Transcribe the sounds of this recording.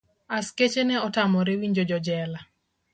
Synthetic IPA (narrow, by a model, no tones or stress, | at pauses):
asket͡ʃenɛɔtamɔɾewiɲd͡ʒɔd͡ʒɔd͡ʒɛla